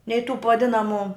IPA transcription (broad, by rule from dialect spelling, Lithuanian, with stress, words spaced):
nʲɛɪ tuː p ʋɐˈdʲɪnɐmʊ